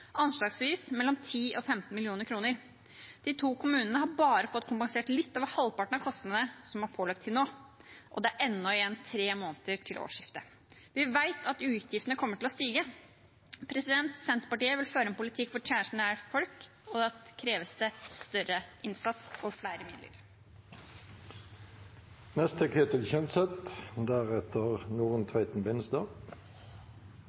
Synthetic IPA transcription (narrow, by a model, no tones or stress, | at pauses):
ʔɑnʂɭɑːɡsʋiːsmɛlːɔmt̪ʰiːʔɔfɛmt̪n̩mɪlɪuːnəɾkʰɾuːnəɾ | d̪̥ɪt̪ʰuːkʰʊmʉːnənəhɑɾbɑːɾəfɔt̪ːkʰʊmpɑŋseːʈlɪt̪ːɑːʋhɑlpɑʈəɳ̩ɑʋkʰɔst̪əənəsɔmhɑɾpʰoːlɑk̚t̪ʰːɪlnoːʔɔ̰d̪ɛæɾʔɛnːɔɪjɛnt̪ʰɾeːmoːnt̪əʈʰɪlʔo̰ːʂɪft̪ə | ʋɪʋæɪt̪ʰɑt̪ʉːt̪ʰjɪft̪ənəkʰɔmːəʈʰɪlɔst̪iːɡə | pʰɾɛsɪd̪ɛnt̪sɛnt̪pɑʈiːəʋɪlføːɾəɛnpʊlɪt̪ʰɪkːfɔt͡ʃʰæːʂɳ̩əæɾfɔlk | ɔd̪ɑkʰɾeːʋəst̪əst̪œɾəʔɪnsɑt̪sɔfɽæɪɾəmɪ̰d̪lə̰ɾ | nɛst̪əkʰeːt̪ɪlçɛnsɛt̪d̪æʁɛt̪əʁnuːʁənt̪ʰæɪt̪n̩bɪnəsd̪ɑː